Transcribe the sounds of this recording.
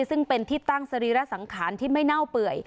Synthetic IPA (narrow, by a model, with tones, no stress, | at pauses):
sɯ˥˩ŋpe˧nt̪ʰiː˥˩t̪a˥˩ŋsa˧ɾiː˧ɾa˦˥sa˩˦ŋkʰaː˩˦nt̪ʰiː˥˩ma˥˩jna˥˩wpɯ˨˩əj